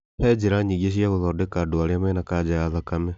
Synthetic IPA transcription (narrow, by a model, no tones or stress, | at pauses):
pɛd͡ʑeɾaɲiɣeɕ̬iaɣoðɔdekadoaɾeamɛnakad͡ʑajaðakamɛ